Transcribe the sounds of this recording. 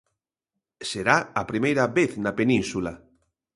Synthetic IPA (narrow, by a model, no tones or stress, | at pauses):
seɾaɐpɾimejɾɐβeθnɐpenĩnsulɐ